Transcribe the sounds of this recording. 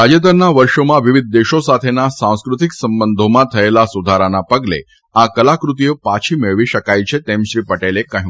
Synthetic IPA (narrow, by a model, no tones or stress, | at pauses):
ad͡ʒəd̪əɾnaʋəɾʃomãʋiʋid̪̚ʱd̪eʃosat̪ʰenasãw̃skɾut̪iksəmbənd̪ʱomãt̪ʰəelasud̪ʱaɾanapəɡle | akəlakɾut̪̬ijopat͡ʃʰimeɭʋiʃəkajt͡ʃʰet̪emʃɾipəʈelekəɦũ